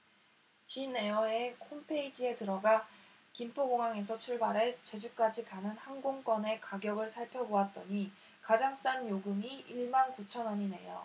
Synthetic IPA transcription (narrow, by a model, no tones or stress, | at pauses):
t͡ɕinːe̞ʌekʰompʰe̞id͡ʑie̞tɯɾʌɡa | kimpʰoɡoŋaŋe̞s̬ʰʌt͡ɕʰuɭbaɾet͡ɕe̞d͡ʑuk͈ad͡ʑikanɯnhanɡoŋk͈wʌne̞kaɡjʌɡɯɭsʰaɭpʰjʌboat̚t͈ʌ̰ɲi | kad͡ʑaŋs͈anjoɡɯmiiɭmankut͡ɕʰʌnʌɲine̞̰jo̰